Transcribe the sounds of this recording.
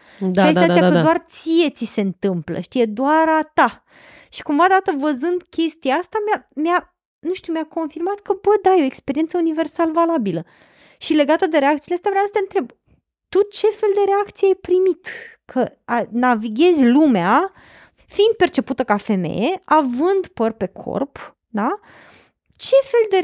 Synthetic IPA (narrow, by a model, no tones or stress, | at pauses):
ʃaiaiakkəd̪oart̪sije̞t̪sise̞nt̪ɨmplə̰ʃt̪ije̞d̪oaɾat̪a | ʃi̥kumvad̪at̪əvəzɨnd̪kʲe̞st̪iaast̪amjamja | nuʃt̪umjako̞nfirmat̪kəbəd̪ajeoekspe̞ɾient̪səunive̞rsaləvalabilə | ʃile̞ɡat̪əd̪e̞ɾeak̚t̪sileast̪eapɾeaast̪aɨnt̪ɾe̞b | t̪ut͡ʃe̞fe̞ld̪e̞ɾeakt̪sieajpɾimit̪kʰəanaviɡʲe̞zʲlumea | fiind̪̚pe̞rt͡ʃe̞put̪əkafe̞me̞̰jeavɨnd̪pərʲpe̞kʰo̞̰rp | d̪a | t͡ʃe̞fe̞ld̪e̞